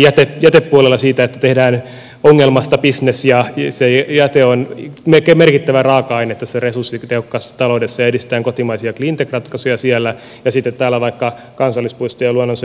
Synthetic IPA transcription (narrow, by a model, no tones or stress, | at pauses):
jæt̪ejæt̪epːuolelːɑsiːt̪æet̪ːæ̥t̪ehdæːn | oŋːelmɑst̪ɑpisnesjɑsejæt̪eonmekemerkit̪ːæʋærɑːkɑɑinet̪ːæseresursːit̪ehokːɑst̪ɑloudesːɑjɑedist̪t̪æːŋkot̪imɑisiɑklint̪ekrɑt̪kɑsujɑsiælːæ | jɑsit̪ːet̪t̪æːlːæʋɑikːɑ | kɑnsɑlːispuist̪ojɑluonːons